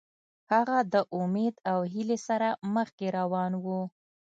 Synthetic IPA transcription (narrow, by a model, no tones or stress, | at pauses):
haɣad̪əʔʊmed̪awɦilesaɾaməxkeɾawɑnwu